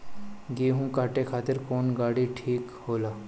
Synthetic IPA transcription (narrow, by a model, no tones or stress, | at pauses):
ɡiːɦũkaːʈekʰaːt̪ɪɾkɔːnɡaːɽiʈʰiːkhoːlaː